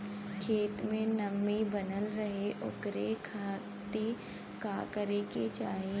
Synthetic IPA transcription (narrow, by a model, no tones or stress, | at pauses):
kʰeːt̪mẽnɐmːibɐnəlɾɐɦeʔʊ̰kɾekʰaː | t̪e | kaːkəɾeket͡ʃaːɦie